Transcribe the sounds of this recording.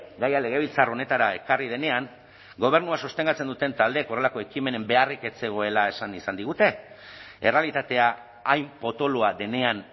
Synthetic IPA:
ɡajale̞ɣ̞e̞β̞ilt͡saro̞ne̞t̪aɾae̞karið̞e̞ne̞aŋ | ɡo̞β̞e̞ɾnuasust̪e̞ŋɡat͡se̞nd̪ut̪e̞nt̪ald̪eko̞re̞lako̞e̞kime̞ne̞mbe̞arike̞t͡se̞ɣ̞o̞e̞lae̞sanisand̪iɣut̪e̞ | ere̞alit̪at̪e̞aː | jmpo̞t̪o̞loaðe̞ne̞an

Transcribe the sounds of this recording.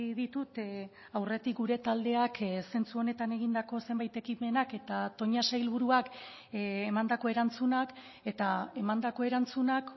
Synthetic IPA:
ðit̪ut̪ | awre̞t̪ik̚ɡuɾe̞t̪ald̪e̞akse̞nt͡suo̞ne̞t̪aneɣ̞ind̪ako̞se̞mbajt̪e̞kime̞nake̞t̪at̪o̞ɲasajlβ̞uɾuakː | mand̪ako̞e̞ɾant͡sunak | e̞t̪ae̞mand̪ako̞e̞ɾant͡sunak

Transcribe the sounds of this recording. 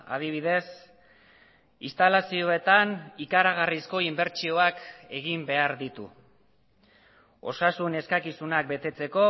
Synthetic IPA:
a̰ð̞iβ̞iðe̞s | ist̪alasio̞e̞t̪anikaɾaɣ̞arisko̞imbe̞ɾt͡ʃio̞ake̞ɣimbe̞aɾðit̪ṵ | o̞̰sasune̞skakisunak̚be̞t̪e̞t͡se̞ko̞

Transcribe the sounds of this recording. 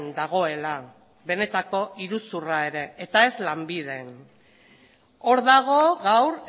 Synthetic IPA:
nd̪aɣ̞o̞e̞la | βe̞ne̞t̪ako̞iɾusurae̞ɾe̞ːt̪ae̞zlambið̞e̞n | o̞ɾðaɣ̞o̞ɣawɾ

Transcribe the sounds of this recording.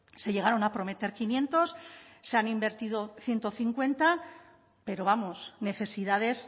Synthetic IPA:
se̞ʎe̞ɣ̞aɾo̞napɾo̞me̞t̪e̞ɾkinjẽ̞nt̪o̞sːeanimbe̞ɾt̪ið̞o̞θje̞nt̪o̞θiŋkwe̞nt̪a | pe̞ɾo̞βamo̞sne̞θe̞siðað̞e̞s

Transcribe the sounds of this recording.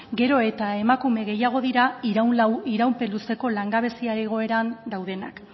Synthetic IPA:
ɡe̞ɾo̞e̞t̪ae̞makume̞ɣe̞jaɣ̞o̞ðiɾaiɾawnlawiɾawmpe̞luse̞ko̞laŋɡaβ̞e̞siaɾeɣ̞o̞e̞ɾand̪awðe̞na̰k

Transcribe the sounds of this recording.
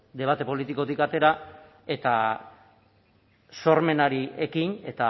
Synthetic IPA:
d̪e̞β̞at̪e̞po̞lit̪iko̞t̪ikat̪e̞ɾa | e̞t̪a | so̞ɾme̞naɾie̞kine̞t̪a

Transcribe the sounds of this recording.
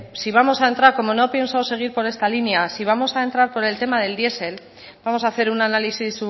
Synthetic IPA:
siβ̞amo̞sae̞nt̪ɾaɾko̞mo̞no̞pje̞nsawse̞ɣ̞iɾpo̞ɾe̞st̪alinjasiβ̞amo̞saent̪ɾaɾpo̞ɾe̞lt̪e̞maðe̞ld̪je̞se̞l | bamo̞saθe̞ɾunanalisisu

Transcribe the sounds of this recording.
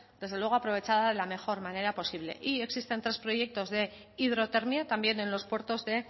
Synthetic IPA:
d̪ezðewe̞ɣo̞apɾoβet͡ʃaðaðe̞lame̞xo̞ɾmane̞ɾapo̞siβle̞̰ʔie̞ksist̪e̞nt̪ɾe̞spɾo̞je̞k̚t̪o̞zðe̞ | ið̞ɾo̞t̪e̞ɾmjat̪ambje̞ne̞nlo̞spwe̞ɾt̪o̞zðe̞

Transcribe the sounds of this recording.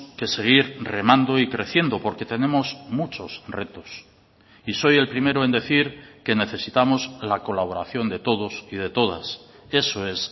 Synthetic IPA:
ke̞se̞ɣ̞iɾre̞mãnd̪o̞ikɾe̞θje̞nd̪o̞po̞ɾke̞t̪e̞nẽ̞mo̞zmut͡ʃo̞sre̞t̪o̞s | iso̞je̞lpɾime̞ɾoend̪e̞θiɾke̞ne̞θe̞sit̪amo̞zlako̞laβ̞o̞ɾaθjo̞nd̪e̞t̪o̞ð̞o̞sið̞e̞t̪o̞ða̰s | e̞soe̞s

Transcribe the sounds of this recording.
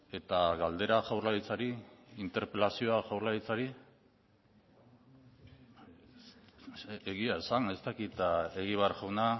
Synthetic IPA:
e̞t̪aɣald̪e̞ɾaʝawɾlait͡saɾiint̪e̞ɾpe̞lasio̞axawɾlait͡saɾi | eɣiaesane̞st̪akit̪e̞ɣiβ̞earʝawna

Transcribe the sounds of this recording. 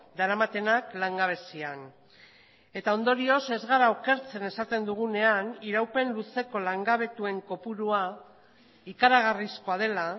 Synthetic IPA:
d̪aɾamat̪e̞naklaŋɡaβ̞e̞sian | e̞t̪ao̞nd̪o̞ɾio̞se̞zɣaɾaoke̞ɾt͡se̞ne̞sat̪e̞nd̪uɣ̞une̞aniɾawpe̞nluse̞ko̞laŋɡaβ̞e̞t̪ue̞ŋko̞puɾua | ikaɾaɣ̞arisko̞að̞e̞la

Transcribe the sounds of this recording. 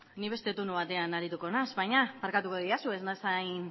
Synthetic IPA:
niβe̞st̪e̞t̪onuβ̞at̪e̞anaɾit̪uko̞nazβajɲamaɾkat̪ukoðiasueznasajn

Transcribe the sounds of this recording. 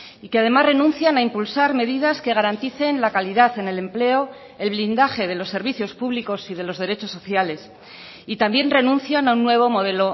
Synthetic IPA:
ike̞að̞e̞mazre̞nũnθjanaimpulsaɾme̞ðið̞aske̞ɣ̞aɾant̪iθe̞nlakaliðaθe̞ne̞le̞mple̞o̞ | e̞lβ̞lind̪axe̞ð̞e̞lo̞sːe̞ɾβiθjo̞spuβliko̞sið̞e̞lo̞zðe̞ɾe̞t͡ʃo̞sːo̞θjale̞s | it̪ambje̞nre̞nũnθjanaunːwe̞β̞o̞mo̞ð̞e̞lo̞

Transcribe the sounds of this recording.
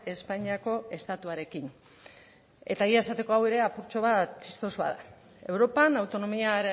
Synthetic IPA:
e̞spaɲiako̞e̞st̪at̪uaɾe̞kin | e̞t̪aiae̞sat̪e̞ko̞aweɾe̞apuɾt͡ʃo̞β̞at̪ist̪ozβa̰ða | e̞wɾo̞panawt̪o̞no̞miaɾe

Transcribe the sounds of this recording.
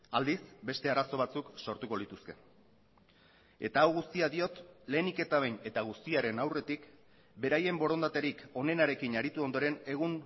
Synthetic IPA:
ald̪isbe̞st̪e̞aɾaso̞β̞at͡sukso̞ɾt̪uko̞lit̪uske̞̰ | e̞̰t̪aːwɣust̪iaðio̞t̪le̞ːnike̞t̪aβejne̞t̪aɣ̞ust̪iaɾe̞nawre̞t̪ik | be̞ɾaje̞mbo̞ɾo̞nd̪at̪e̞ɾiko̞ne̞naɾe̞kinaɾit̪uo̞nd̪o̞ɾe̞ne̞ɣ̞un

